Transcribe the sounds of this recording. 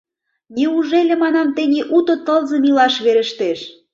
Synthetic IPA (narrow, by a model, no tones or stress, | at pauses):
nʲiuʒelʲĕmɑnɑmt̪enʲiʔut̪ot̪ə̆lzɤ̆milɑʃβeɾə̆ʃt̪eʃ